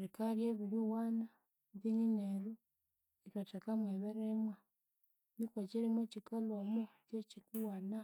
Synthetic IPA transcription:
ɾikaɾjeːβiɾiwana | ðiɲineɾu | itatakamweβeɾemwa | nikwaciɾimwecikalomot͡ʃecikuwana

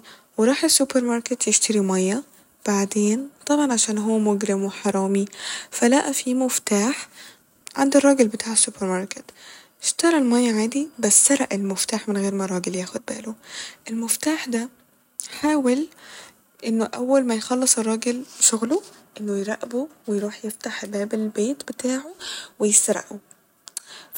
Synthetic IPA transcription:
weɾˤɑːħesːupeɾˤmɑɾˤket̪jeʃt̪ɑɾimɑjːæ | b̥aʕd̪eːnt̪ˤɑbʕɑnʕaʃæːnɦowːæmoɡɾɪmweħɑɾˤɑːmifælæʔæfimoft̪aːħ | ʕa̰nd̪irˤːɑːɡelbet̪ʰaːʕesːupeɾmɑɾˤket̪ | ʃt̪ɑɾˤɑlmɑjːæʕaːd̪ibæsːɑɾˤɑʔelmoft̪aːħmenɣeːɾmɑɾˤɑːɡeljæːxod̪̚bæ̰ːloʔelmoft̪aːħd̪æ | ħaːwel | ʔenːoʔæ̰wːælmæjxɑlːesˤerˤːɑːɡelʃoɣloʔenːojɾˤæʔbowejɾuːħjeft̪aħbæːbelbeːt̪bet̪aːʕowejest̪ɑɾˤɑ̰ʔo

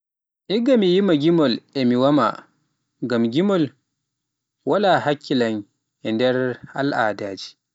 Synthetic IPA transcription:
ʔiɡamijimaɡʲimɔlʔɛmiwama̰ | ɡamɡimɔl | walaːhakʰːilan | ʔɛndɛɾha̰lʔaːdaːd͡ʒi

